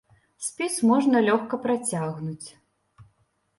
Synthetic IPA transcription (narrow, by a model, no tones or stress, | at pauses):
sʲpʲismɔʐnɐlʲɔxkɐpɾat͡sʲaɣnut͡sʲ